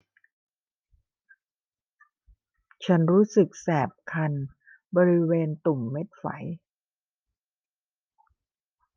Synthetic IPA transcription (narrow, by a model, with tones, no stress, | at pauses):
t͡ɕʰa˦˥nɾuː˦˥sɯ˨˩k̚sɛː˨˩p̚kʰa˧n | bɔː˧ɾi˦˥weː˧nt̪u˨˩mːe˦˥t̪̚fa̰˩˦j